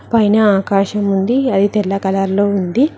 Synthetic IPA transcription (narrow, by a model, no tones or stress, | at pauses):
pɐjnɐaːkaːʃɐmund̪iɐd̪it̪ɛlːɐkɐlaɾlo̞ːund̪i